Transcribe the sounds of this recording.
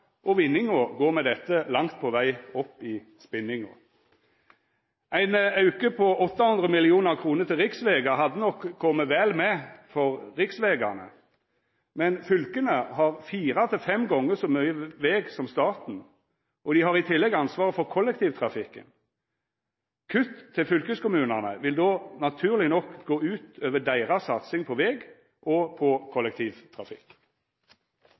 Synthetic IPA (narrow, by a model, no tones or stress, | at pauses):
ʔɔʋɪnːɪŋʊɡoːɾmɛd̪ɛt̪ːəlɑŋt̪̚pʰɔʋæɪɔpːɪ | spɪnɪŋʊ̰ | ʔæɪnɑʉkəpʰɔɔt̪ːɑhʉnd̪ʁəmɪlɪuːnəʁkʰɾuːnət̪ɪlʁɪksʋeːɡɑɦɑd̪ːənɔkʰːɔmːəʋɛːlmɛfɔʁʁɪksʋeːɡɑ̰nə̰ | mɛnfʏlkənəhɑʁfiːɾɑt̪ʰɪlfɛmɡɔŋːəsɔmœʏəʋeːɡsɔmst̪ɑːt̪n̩ | ʔɔd̪ɪhɑʁɪt̪ʰɪlːɛɡɑnsʋɑːʁəfɔɾkʰɔlːɛk̚t̪ʰiːʋt̪ʰʁɑfɪkːə̰n | kʰʉt̪ʰːɪlfʏlkəskʊmʉːnəʁnə̰ʋɪld̪oːnɑt̪ʰʉːʁlɪnɔkːɡoːʉːt̪øːʋəɖ̪æɪʁɑsɑt̪sɪŋpʰɔʋɛːɡ | ʔɔpʰɔkʰɔlːɛk̚t̪ʰiːʋt̪ʰʁɑfɪ̰kː